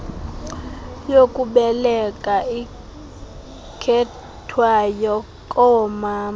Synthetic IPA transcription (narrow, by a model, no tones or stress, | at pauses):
jokʼuɓɛlɛkʼai | kʰɛ | tʰwajɔ | kʼɔɔmaːma